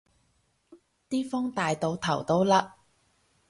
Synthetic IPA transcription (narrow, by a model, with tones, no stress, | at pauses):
t̪iː˥fɔ˥ŋt̪aː˨jt̪o˨˧wt̪ʰɐ˨˩wt̪o˥wlaː˧